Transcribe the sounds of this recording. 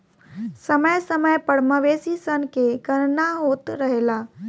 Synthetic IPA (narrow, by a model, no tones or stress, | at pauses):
səməjsəməjpəɽməʋeːsisənkeɡənnaɦoːt̪ɾəɦela